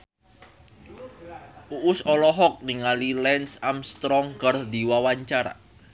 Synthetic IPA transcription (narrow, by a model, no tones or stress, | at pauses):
ʔuʔʊsɔlɔɦɔk̚niŋalilɛnsamst̪ɾɔŋɡərd̪iwawaɲt͡ʃaɾa̰